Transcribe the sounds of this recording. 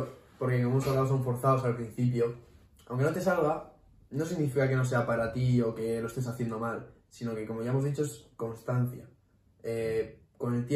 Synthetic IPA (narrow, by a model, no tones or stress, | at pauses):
poɾkekoemosaβlaos̬auɱfo̞ɾθaosalpɾin̟θip̬jo̞ | a̰wŋke̞no̞t̪e̞salɣa | no̞s̬iɣnifikake̞no̞se̞apaɾat̪io̞ke̞lo̞est̪esaθjend̪o̞mal | sino̞ke̞komo̞ʝaemo̞zðit͡ʃo̞esko̞nst̪an̟θja̰ | e | ko̞ne̞lt̪je